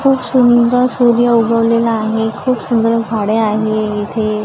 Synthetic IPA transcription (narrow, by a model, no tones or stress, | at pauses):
kʰuːpsuniɡəsuɾjəubəʋlelaaɦekʰuːpsund̪ɾəɡʱaɽeaɦeɪt̪ʰe